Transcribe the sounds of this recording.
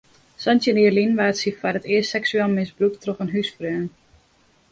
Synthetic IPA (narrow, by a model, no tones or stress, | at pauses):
sɔntjəniəlinʋaːtsifarətɪəstɛksyɛlˠmɪsbruktroxənɦysfrøːn